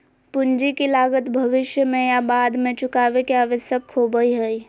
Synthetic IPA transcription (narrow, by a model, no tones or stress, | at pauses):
pʊnd͡ʒikilaːɡət̪bʱɐʋɪʃjəmẽjabaːd̪mẽt͡ʃʊkaːʋekeaːʋəʃjəkʰːoːbəiɦəi